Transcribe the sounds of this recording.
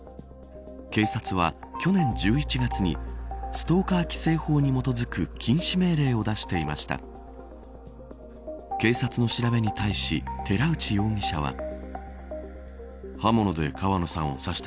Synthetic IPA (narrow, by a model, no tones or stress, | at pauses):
ke̞ːsat͡sɨβ̞akʲo̞nẽ̞ɲ̟d͡ʑɨːit͡ɕiɡat͡sɨɲ̟ḭsɨ̥t̪o̞ːkaːkʲi̥se̞ːho̞ːɲ̟imo̞t̪o̞zɨkɯ̟kʲʰĩɰ̃ɕime̞ːɾe̞ːo̞d̪aɕi̥t̪e̞ima̰ɕi̥t̪a̰ | ke̞ːsat͡sɨno̞ɕiɾabe̞ɲ̟it̪aiɕḭt̪ʰe̞ɾaɯ̟t͡ɕijo̞ːɲʲiɕa̰β̞a̰ | hamo̞no̞d̪e̞̰kaβano̞sãɰ̃o̞̰saɕi̥t̪